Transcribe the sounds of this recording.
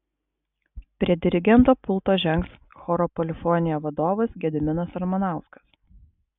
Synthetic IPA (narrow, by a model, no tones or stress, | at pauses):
pʲɾʲiɛd̪ʲɪɾʲɪɡʲɛnt̪oːpʊlˠt̪oːʒʲɛŋks | xɔːɾɔpɔlʲɪfɔnʲɪjɛːʋɐd̪oːʋɐsɡʲɛd̪ʲɪmʲɪnɐsɐɾmɐnɑˑʊskɐ̥s